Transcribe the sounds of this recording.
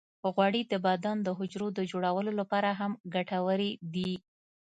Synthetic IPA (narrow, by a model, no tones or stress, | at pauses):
ɣwɑɽid̪əbɑd̪ɑnd̪əɦʊd͡ʒɾod̪əd͡ʒoɽawəlolapɑɾaɦamɡaʈawəɾed̪i